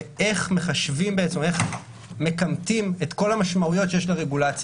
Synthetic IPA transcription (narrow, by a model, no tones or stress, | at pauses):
e̞χme̞χaʃvimbeet͡seme̞χ | me̞kamtime̞t̪ko̞lamaʃmaujo̞tʃejeʃlaʁeɡulat͡s